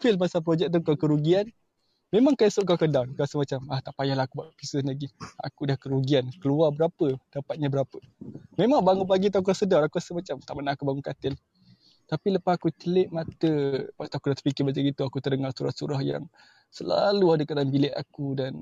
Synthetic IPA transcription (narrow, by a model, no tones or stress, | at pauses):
fɪlpasap̬ɾod͡ʒɛk̚t̪̬akakəɾuɡian | memaŋkasʊʔkakadawnkəɾasəmat͡ʃamaht̪aʔpajalaakubaʔpisʊnlaɡia̰kudahkəɾuɡiankəluarbəɾapəd̥apat̪̚ɲabəɾapəmemaŋbaŋup̬aɡit̪̬ak̬uɾasədawnakuɾasəmat͡ʃamt̪aʔmənaakubaŋukat̪ɪl | t̪apiləpasakut͡ʃəlɪʔ̚mat̪əpat̪akudat̪əpikɪbad͡ʒaɡit̪uakut̪ərdəŋarsuɾa̰hsuɾahja̰ŋ | səla̰luadəkat̪anbilɛʔa̰kudan